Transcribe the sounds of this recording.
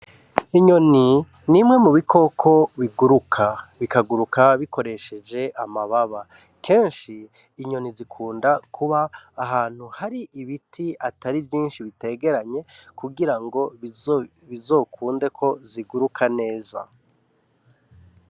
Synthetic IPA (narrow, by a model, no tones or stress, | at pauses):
iɲo̞ni | nimŋe̞muβikʰo̞kʰo̞βiɡuɾukʰaβikaɡuɾukaβiko̞ɾe̞ʃe̞d͡ʒe̞ʔamaβaβa | kʰe̞ːnʃiː | ɲo̞nizikʰuːndakʰuβaːɦaːn̥huhaɾiʔiβitʰiataɾivjiːnʃiβite̞ɡe̞ɾaɲe̞kuɡiɾaŋɡo̞ | βizo̞ːkʰuːnde̞kʰo̞ziɡuɾukʰane̞ːza̰